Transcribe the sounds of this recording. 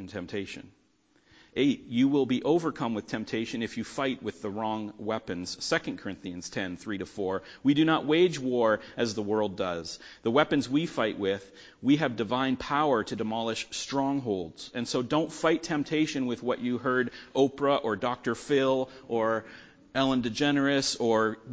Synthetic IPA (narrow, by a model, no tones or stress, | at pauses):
ntʰɛ̃mp̚tʰeɪʃɨ̰̃n | ʔeɪt͡ʃjɨwɪlˠbiʔoʊvə˞kʰʌ̃mwɨð̥tʰɛ̃mp̚tʰeɪʃɨ̃nɨfjɨfaɪt̚wɨðəɹɔ̃ŋwɛpɨ̃nz̥sɛkɨ̃n̩kʰə˞ɪ̃nθiɨ̃nz̥tʰɛ̃nθɹiɾɨfɔɹwidɨñəʔ̚weɪd͡ʒwɔɹɨzðəwɜ˞lˠdʌz̥ðəwɛpɨ̃nzwifaɪʔwɪð̥ | wiɨvdɨvãɪ̃npʰaʊə˞ɾɨdɨmɑlˠəʃstɹ̥ɔ̃ŋɦoʊlˠdz̥ɨ̃nsoʊdõʊ̃ntfaɪtʰɛ̃mp̚tʰeɪʃɨ̃nwɨðwʌt͡ʃɨɦɜ˞ɾʔoʊpəʔə˞dɑk̚tə˞fɪlˠʔə˞ | ɛlˠə̃ndɨd͡ʒɛnə˞ɨsə˞